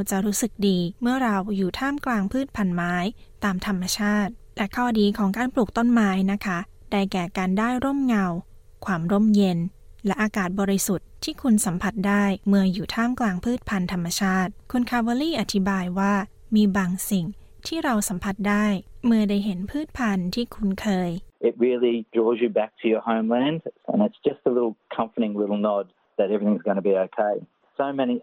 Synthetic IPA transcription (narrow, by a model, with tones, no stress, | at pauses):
wt͡ɕa˨˩ɾuː˦˥sɯ˨˩k̚diː˧mɯ˥˩ɐɾa˧wjuː˨˩t̪ʰaː˥˩mklaː˧ŋpʰɯː˥˩t̪̚pʰa˧nmaː˦˥jt̪aː˧mt̪ʰa˧mːa˧t͡ɕʰaː˥˩t̪̚lɛ˦˥kʰɔː˥˩diː˧kʰɔː˩˦ŋkaː˧npluː˨˩k̚t̪o˥˩nmaː˦˥jna˦˥kʰa˦˥ | da˧jkɛː˨˩kaː˧ndaː˥˩jɾo˥˩mŋa˧w | kʰwaː˧mɾo˥˩mje˧nlɛ˦˥ʔaː˧kaː˨˩t̪̚bɔː˧ɾi˧su˨˩t̪̚ʰːiː˥˩kʰu˧nsa˩˦mpʰa˧˩t̪̚daː˥˩jmɯ˧ɐjuː˨˩t̪ʰaː˥˩mklaː˧ŋpʰɯː˥˩t̪̚pʰa˧nt̪ʰa˧mːa˧t͡ɕʰaː˥˩t̪̚kʰu˧nkʰaː˧wa˧liː˥˩ʔa˨˩t̪ʰi˦baː˧jwaː˥˩ | miː˧baː˧ŋsi˨˩ŋ | t̪ʰiː˥˩ɾa˧wsa˩˦mpʰa˧˦˩t̪̚daː˥˩jmɯ˧ɐdaː˥˩jɦe˩˦npʰɯː˥˩t̪̚pʰa˧nt̪ʰiː˥˩kʰu˧nkʰɤː˧jɪt̚ɹɪlˠidɹɔːzjɨbæk̚tʰɨjə˞hõʊ̃mlæ̃nd̥ə̰̃nɨtsd̥ʒ̥ʌstəlɪɾl̩ˠkʰʌ̃ɱfəɾɪ̃ŋlɪɾl̩ˠnɔd̪̚ | ðɨɾɛvɹiθɪ̃ŋzɡʌñəbioʊkʰeɪ | soʊmɛni